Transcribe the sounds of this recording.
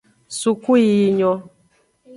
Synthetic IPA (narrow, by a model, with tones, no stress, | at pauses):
su˨ku˦i˦˨ɲɔ˦